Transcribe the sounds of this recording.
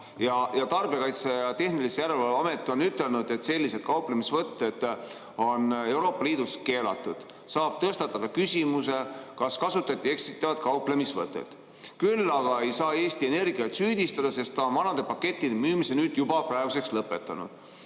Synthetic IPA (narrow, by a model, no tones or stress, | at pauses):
jɑjɑt̪ɑrbekɑjt̪sejɑt̪e̞hnilisejæɾelvɑluɑme̞t̪ːˑio̞nyt̪ːˑe̞lnud̪̥e̞t̪se̞lʲːise̞d̪̥̚kɑuplemisvɤt̪ːe̞d̪̥ | o̞ne̞wɾo̞ːpːˑɑliːd̪̥uske̞ːlɑ̰t̪ːˑud̪̥ | sɑːb̥̚t̪ɤst̪ɑt̪ːˑɑd̪ɑkysʲimuse̞kɑskɑsut̪ːˑɑt̪ʲːˑie̞ksit̪ːˑɑvɑd̪̥̚kɑuple̞misvɤt̪ːˑḛt̪ | kylːɑɡ̥ɑe̞jsɑːe̞ːst̪ie̞ne̞rɡiɑt̪syːd̪̥ist̪ɑd̪̥ɑse̞st̪ɑmɑnɑd̪̥e̞pɑkːe̞t̪ːˑid̪emyːmisenyːd̪̥jubɑpræeɡ̥use̞kslɤpːˑe̞t̪ːˑɑnṵd̪̥